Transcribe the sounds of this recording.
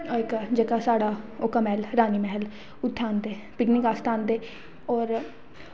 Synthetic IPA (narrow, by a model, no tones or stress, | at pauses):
ɪkd͡ʒəkaːsaːɽaːokamɛːlɾaːniːmɛɦɛl | ʊt̪ʰːaːnd̪eː | pɪknɪkaːst̪ʰãːnd̪eː | ɔːɾ